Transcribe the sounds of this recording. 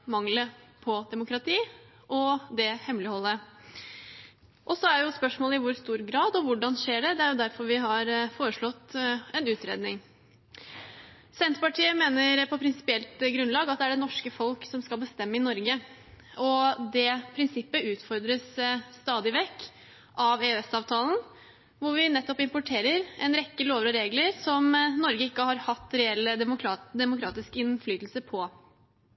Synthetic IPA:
mɑŋləpʰɔd̪ɛmʊkɾɑt̪ʰiː | ʔɔd̪ɛhɛmlɪhɔlːə | ʔɔsɔæɾjʊspœʂmoːləɪʋʊɾst̪uːɾɡɾɑːd̪ɔʋʊɖɑnʂeːɖɛd̪ɛæɾjʊd̪æɾfɔɾʋɪɦɑɾfoːɾəʂɭɔt̪ːɛnʉːt̪ɾḛːd̪nɪŋ | sɛnt̪ɾəpɑʈʰiːəmeːnəɾpʰɔpʰɾɪnsɪ̥pɪɛlt̪ɡɾʉnlɑːɡɑt̪̚d̪ɛæɖɛnɔʂkəfɔlksɔmskɑlˠbəst̪ɛmːəɪnɔɾɡə | ɔd̪ɛpʰɾɪnsɪpːəʉːt̪fɔɾd̪ɾəsːt̪ɑːd̪ɪʋɛkː | ʔɑʋeːɛsɑːʋt̪ʰɑːln̩ | ʋʊɾʋɪnɛt̪ːɔpɪmpʊʈʰeːɾəɾɛnɾɛkːəloːʋəɾɔɾeːɡləɾsɔmnɔɾɡəɪkːəhɑɾhɑt̪ːɾɛɛlːəʊɾɑd̪ɛmʊkʰɾɑːt̪ɪskɪnflyːt̪lsəpʰɔ

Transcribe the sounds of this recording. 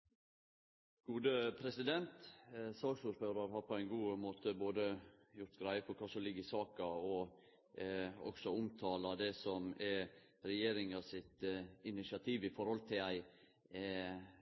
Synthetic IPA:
ɡ̥uːd̪əpʰɾɛsɪd̪ɛnt̪sɑːksuːɾføːɾɑɾɦɑːɾpʰɔæɪnɡuːmoːt̪əboːd̪əjʊɾt̪ɡɾæɪəpʰɔkʰɑːsɔmlɪɡːəɪsɑːkɑɔ | ɔ̰ɡ̥sɔʊmt̪ʰɑːlɑd̪ɛsɔmɛ | ɾɛjeːɾɪŋɑsɪt̪ɪnɪsɪɑt̪ʰiːʋɪfɔɾhɔlt̪ʰɪlæɪ

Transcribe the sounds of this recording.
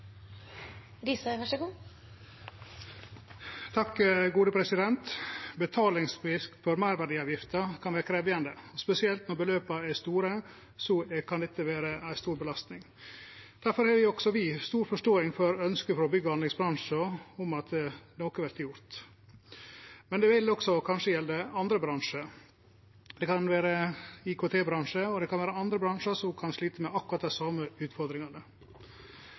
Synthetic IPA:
ɾiːsəʋæʂəɡuː | t̪ʰɑkːəɡuːd̪əpʰɾɛsɪd̪ɛnt̪bət̪ʰɑːlɪŋsfɪsk̪fɔɾmæɪɾʋæɖiːɑːʋjɪft̪əkʰɑnʋæːɾəkʰɾeːʋɪɑnd̪əɔspɛsɪɛlt̪nɔɾbəløːpəæst̪uːɾə | sɔkʰɑnd̪ɛt̪ːəʋeːɾəæɪst̪uːɾbəlɑst̪nɪŋ | d̪̥æɾfɔɾhɑːʋɪɔɡsɔʋɪst̪uːɾfɔʂʈoːɪŋfɔɾœnskəfɔɾɔbʏɡəɑnd̪ɪŋsbɾɑnʂɔɔmɑt̪noːkəʋæɾt̪ʰjʊɾt̪ | mɛnd̪ɛʋɪlɔɡsɔkʰɑnʂəjɛld̪əɑnd̪ɾəbɾɑŋʂə | d̪̥ɛkɑnʋæːɾəɪkʰoːt̪ʰeːbɾɑŋʂəɔd̪ɛkʰɑnʋæːɾəɑnd̪ɾəbɾɑnʂɑsɔmkʰɑnʂɭiːt̪əmɛɑkːʉɾɑt̪̚d̪æsɑːmːəʉːt̪fɔɾd̪ɾɪŋɑnə

